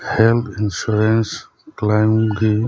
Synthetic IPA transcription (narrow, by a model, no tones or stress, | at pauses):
helt̪ʰinsuɾens | klajmɡi